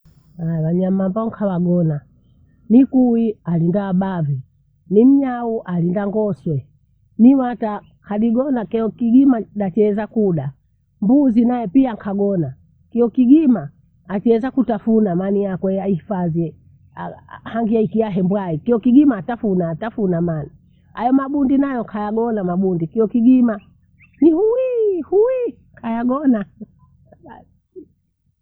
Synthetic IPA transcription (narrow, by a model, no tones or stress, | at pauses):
awaɲamambaŋ̩kʰawaɡɔna | nikuwialindaːbavi | nim̩ɲauʔalindaŋɡɔswɛ | niwata | kʰaɗiɡɔnakɛɔkiɡimaɗat͡ʃɛzakuɗa | mbuzinaɛpiaŋkʰaɡɔna | kiɔkiɡimaː | t͡ʃɛzakutafunamanijakwɛjaihifaziɛ | ahaŋɡiaikiaɦɛmbwaikiɔkiɡimaːtafunaːtafunamani | ajɔmaɓundinajɔkʰajaɡɔnamaɓundikiɔkiɡima | nihuwihuwi | kʰajaɡɔna